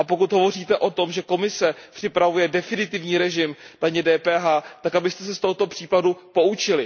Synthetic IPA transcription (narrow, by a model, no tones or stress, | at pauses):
ʔapo̞kut̪ɦo̞vo̞riːt̪ɛʔo̞t̪o̞mʒɛko̞mɪsɛpr̝̥ɪpɾavujɛdɛfɪnɪt̪ɪvɲiːɾɛʒɪmd̥aɲɛdɛːpɛːɦaːt̪akabɪst̪ɛsɛst̪o̞ɦot̪o̞pr̥iːpadupo̞ut͡ʃɪlɪ